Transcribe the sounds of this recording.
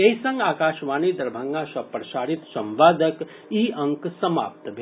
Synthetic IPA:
eɦisɐ̃ŋɡaːkaːʃʋaːnid̪ɐɾbʱaŋɡaʃɐpɾɐʃaːɾit̪sɐ̃mʋaːd̪ʱək | iːɐ̃ŋksɐma̰ːp̚t̪bʱ

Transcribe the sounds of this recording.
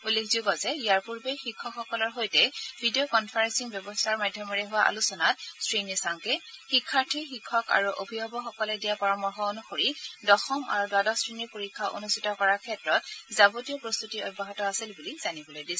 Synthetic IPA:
ulːekʰzuɡɔzɛijaɹpuɹbexikʰːɔkxɔkɔlɔɹxojtɛbʱidiokɔnpʰaɹɛnsiŋbjɔbɔstʰaɹmajdʱjɔmɔɹɛɦʊwaʔa̰lusɔnat̚stɹinisaŋkɛxikʰːaɹtʰixikʰːɔka̰ɹuʔobʱiɦɔbɔxɔkɔlɛdijapɔɹɔmɔɹxɔonuxoɹidɔxɔma̰ɹudwadɔstɹiniɹpoɹikʰːaʔo̰nustʰitɔkɔɹakʰɛtɹɔtzabotijɔpɹost̪utiɔ̰jbʱːaɦɔtɔasilbulizanibɔlojdisɛ

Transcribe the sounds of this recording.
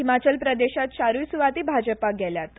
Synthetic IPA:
ɦimat͡ɕəlpɾəd̪eɕat̪ɕaɾusuʋat̪iːbʱad͡ʑəpaɡʱɛljat̪

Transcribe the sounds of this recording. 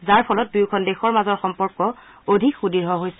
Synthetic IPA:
zaɹpʰɔlɔt̚dujkʰɔndɛxɔɹmazɔɹxɔmpɔɹkɔ | odʱikxudiɹɦɔɦojsɛ

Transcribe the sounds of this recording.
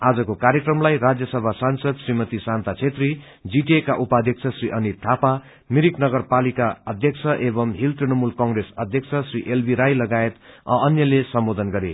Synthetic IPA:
ad͡zʌkokaɾjekrʌmlajɾad͡zjʌsʌbʱasansʌd̪srimʌt̪isant̪at͡sʰet̪ri | d͡ziʈiekaʔupad̪ʱjʌk̚t͡sʰʌsriʔʌnit̪ʰːapa | miɾiknʌɡʌrpalikaʌd̪ʱjʌkt͡sʰʌʔebʌmɦilt̪rinʌmulkʌŋɡresʌd̪ʱjʌk̚t͡sʰʌsriʔelbʱiɾajlʌɡaet̪ʌʌnjʌlesʌmbod̪ʱʌnɡʌɾḛ

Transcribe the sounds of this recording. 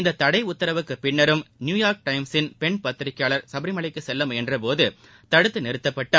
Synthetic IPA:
ɪnd̪ɐt̪ːɐɽɐɪʊt̪ːɐɾɐʋɯkːɯpɪɳːɐɾɯmnjuːjaːɾk̚ʈɐɪmsɪnpɛɳpɐt̪ːɪɾɪkːejaːɭɐɾsɐbɪɾɪmɐɭɐɪkːɯsɛlːɐmɛndrɐpoːðɯ | t̪ɐɽɯt̪ːɯnɛɾɯt̪ːɐpːɐʈːɐ

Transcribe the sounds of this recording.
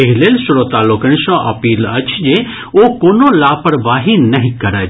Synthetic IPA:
ɐɦileːlsʊɾot̪aːlokəɽ̃ʃɔ̃ʔɐ̰piːlɐt͡ʃʰd͡ʒe | okoːnolaːpəɾʋaːɦinɐɦĩkɐɾə

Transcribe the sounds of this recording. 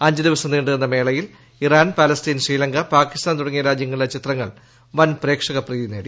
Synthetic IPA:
ɐɲd͡ʑɨd̪iʋɐsɐmniːɳɖɨɣenːɐme̞ːɭɐjil | iraːnpaːlɐst̪iːnʂriːlɐŋɡɐpaːkːist̪aːnt̪uɽɐŋːijɐɾaːd͡ʑjɐŋːɐɭilɐt͡ɕit̪rɐŋːɐɭ | ʋɐnpre̞ːkʂɐɣɐpriːðineːɽi

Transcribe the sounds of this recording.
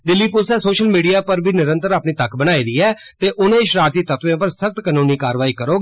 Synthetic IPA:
d̪ɪlːiːpʊlsɛːsoːʃəlmiːɖiːaːpəɾbʱiːnɪɾə̃nt̪əɾaːpniːt̪əkʰbənaːiːd̪iːɛːt̪eːʔʊnẽːʃɾaːɾt̪iːt̪ət̪ʋẽːpəɾsək̚t̪kənũːniːkaːɾʋaːiːkəɾoːɡ

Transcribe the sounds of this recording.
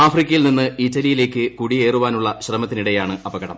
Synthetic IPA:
aːfrikʲːɐjilninːɨitːɐlijile̞ːkːɨkuɽie̞ːruʋaːnuɭːɐɕrɐmɐt̪ːiniɽe̞jaːɳɨɐbɐɣɐɽɐ̰m

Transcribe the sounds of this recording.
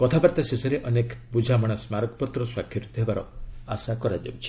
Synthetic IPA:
kɔt̪ʰabaɾt̪asesɔɾeʔɔnekbud͡ʒʱamɔɽ̃asmaɾɔkɔpɔt̪ɾɔswakʰjɔɾɔt̪ʰɔɦebaɾɔasakɔɾad͡ʒa̰wt͡ʃʰi̥

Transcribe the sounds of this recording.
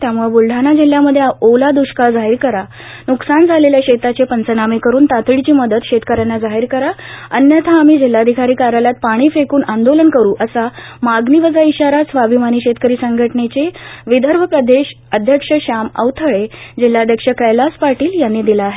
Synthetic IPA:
t̪jamuɭbulɖʱanad͡ʑil̤ːjaməd̪ʱːjeolad̪uɕkad͡zaɦiɾkəɾa | nuksand͡zʱaleljaɕet̪at͡ɕepənt͡sənamekəɾuːnt̪at̪ɭit͡ɕiːməd̪ət̪ɕet̪kəɾjanːad͡zaɦiɾkəɾaənjət̪ʰaːmiːd͡ʑil̤ːad̪ʱikʰaɾiːkaɾaljat̪̚paɽ̃iːfekuːnand̪olənkəɾuːʔəsamaɡniʋəd͡zaiɕaɾasʋabʱimaniːɕet̪kəɾiːsəŋɡʱəʈnet͡ɕeʋid̪ʱəɾʋ̤ʱəpɾəd̪ʱeɕ | əd̪ʱjəkʂəɕamə̰wt̪ʰəɭed͡ʑilːad̪ʱjəkʂəkəjlaspaɾʈiːljanːiːd̪ilaːɦe

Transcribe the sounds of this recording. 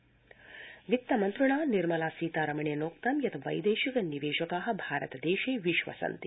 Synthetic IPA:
ʋik̚t̪ːɐmɐnt̪ɾuɳ̃aːniɾmɐlasiːt̪aːɾɐmɳenoːk̚t̪ɐmjɐt̪ʰɐʋɐ̰jd̪eːʃikɐniʋeːʃɐkaɦɐ̆bʱaːɾə̰t̪d̪eːʃeːʋiʃʋɐ̰sɐ̰nt̪i̥

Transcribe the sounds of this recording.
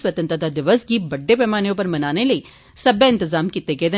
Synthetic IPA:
sʋət̪ə̃nt̪ad̪ad̪ɪʋəsɡiːbəɖːeːpɛːmaːnijõːp̬əɾmənaːneləiː | səbeɪ̃nt̪ɪzaːmkit̪eɡeːd̪e

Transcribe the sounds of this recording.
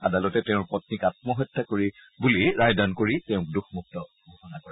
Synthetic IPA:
adalɔtɛtɛʊ̃pɔtnikat̚mɔɦɔjtːakoɹi | buliɹajdankoɹitɛʊ̃k̚duxmuk̚tɔ | bʱɔhɔnakɔɹɛ

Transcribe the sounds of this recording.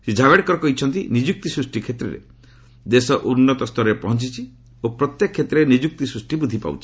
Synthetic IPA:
sid͡ʒʱabeɽkɔɾɔkɔɦit͡ʃʰɔnt̪inid͡ʒuk̚t̪isɾusʈikʰet̪ɾeɾḛ | d̪esɔʔunːɔt̪ɔst̪ʰɔɾɾepɔɦɔnt͡ʃit͡ʃʰi | opɾɔt̪jekɔkʰːet̪ɾeenid͡ʒuk̚t̪isɾusʈibud̪ʱipa̰wt͡ʃʰi̥

